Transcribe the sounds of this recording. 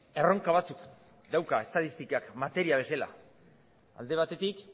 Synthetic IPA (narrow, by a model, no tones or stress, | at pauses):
e̞ro̞ŋkaβ̞at͡suk | d̪awkae̞st̪aðist̪ikakmat̪e̞ɾiaβ̞e̞sela̰ | a̰ld̪e̞β̞at̪e̞t̪ik